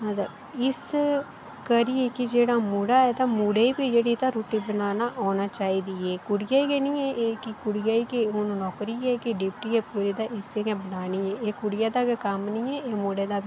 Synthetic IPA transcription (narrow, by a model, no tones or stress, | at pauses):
ɦãd̪a | ɪs | kəɾijeːkɪd͡ʒeːɽaːmuːɽaːɛːt̪ãːmuːɽeːibiːd͡ʒeːɽiːt̪ãːɾoːʈiːbənaːnaːʔɔːnaːt͡ʃaːiːd̪iːɛːkʊɽɪjaːikenĩːɛːʔeːkɪkʊɽɪjaːiːkeʊnõːnɔːkɾiːɛːkɪɖɪpʈiːɛːpuːɾeːd̪aːʔɪsẽɡɛːbənaːniːɛːeːkʊɽɪjaːd̪aːkkəmnĩːɛːeːmoːɽeːd̪aːbi